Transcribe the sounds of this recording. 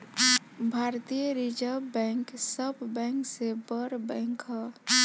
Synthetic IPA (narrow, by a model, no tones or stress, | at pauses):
bʱaɾt̪ijəɾid͡ʒəbɛ̃ŋksəbːɛ̃ŋksebəɾbɛ̃ŋkɦɔ